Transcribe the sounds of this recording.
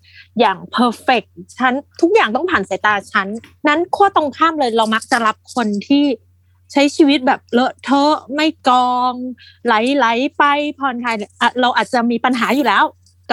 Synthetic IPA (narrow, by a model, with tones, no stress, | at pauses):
jaː˨˩ŋpʰɤː˧fe˨˩k̚t͡ɕʰa˦˥nt̪ʰu˦˥k̚jaː˨˩ŋt̪ɔ˥˩pʰaː˨˩nsa˩˦jt̪aː˧t͡ɕʰa˦˥nːa˦˥nkʰu˥˩ət̪o˧ŋkʰaː˥˩mlɤː˧jɾa˧wma˦˥k̚t͡ɕa˨˩ɾa˦˥p̚kʰo˧nt̪ʰiː˥˩ | t͡ɕʰa˦˥jt͡ɕʰiː˧wi˦˥t̪̚bɛː˨˩p̚lɤ˦˥ʔt̪ʰɤ˦˥ma˥˩jkɔː˧ŋ | la˨˩˦jla˩˦jpa˧jpʰɔː˧nkʰaː˧jʔaː˨˩t̪̚ɾa˧wʔaː˨˩t̪̚t͡ɕa˨˩miː˧pa˧nɦaː˩˦juː˨˩lɛː˦˥w | k